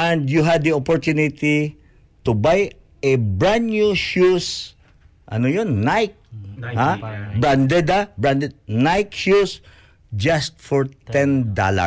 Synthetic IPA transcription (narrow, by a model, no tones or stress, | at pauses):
ɛ̃nd̪juɦad̪̚ːiopɔɹt̪unɪt̪i | t̪ubaj | ɛbɹanjuʃus | ʔɐ̰nojonːajk̚habɹãnd̪ɛd̪abɹand̪ɛd̪̚najk̚ʃus | d͡ʒast̪̚fɔɹt̪ɛ̃nd̪a̰la̰